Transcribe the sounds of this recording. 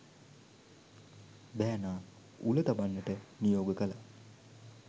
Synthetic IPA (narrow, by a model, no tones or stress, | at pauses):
bæːnaː | ulət̪abanːəʈənijoːɡəkəla